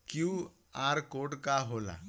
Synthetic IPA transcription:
ku | aɾkoɽkaɦola̰

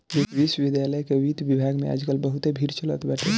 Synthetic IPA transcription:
ɾikʋisəʋid̪jaləjkeʋit̪ʋibʱaɡmḛa̰d͡ʒkəlbəɦut̪ebʱiɾt͡ʃələ̰t̪baʈʰe

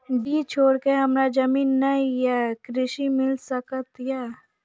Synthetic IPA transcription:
ɖiːt͡ʃʰoːɾkeɦɐmɾad͡ʒɐmiːnːɐijakɾɪʃimɪlsəkət̪jaː

